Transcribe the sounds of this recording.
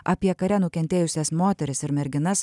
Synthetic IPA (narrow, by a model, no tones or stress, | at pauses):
ɐpʲiɛkɐɾʲɛnʊkʲɛnʲt̪ʲeːjʊsʲɛsmoːt̪ʲɛɾʲɪsɪɾmʲɛɾʲɡʲɪnɐs